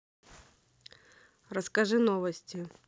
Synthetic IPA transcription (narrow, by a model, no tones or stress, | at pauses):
ɾəskɐʐɨnovəsʲtʲɪ